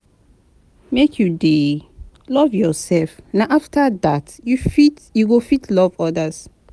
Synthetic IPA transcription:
mekʰjude | lɔvjɔsɛlfnaʔaftʰadatjufit | juɡofitʰlɔvɔdas

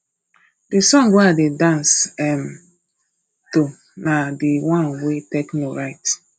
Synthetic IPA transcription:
disɔ̃ŋɡeadedãnsɛm̩ | to | nadiwɔ̃nweteknoɾaɪt

